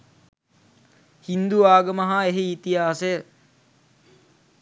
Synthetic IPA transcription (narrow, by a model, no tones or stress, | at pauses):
hind̪uaːɡəmɐɦaeɦeit̪iɦaːsejə